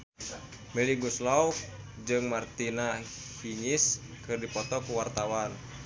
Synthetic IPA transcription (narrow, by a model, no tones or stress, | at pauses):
mɛliɡuslauk̚ | d͡ʒɨŋmart̪inahiɲiskɨrdipɔt̪ɔkuwart̪awan